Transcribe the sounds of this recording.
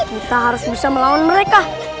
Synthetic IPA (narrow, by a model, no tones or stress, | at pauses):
misaɦaɾusbisaməlaɔnməɾɛka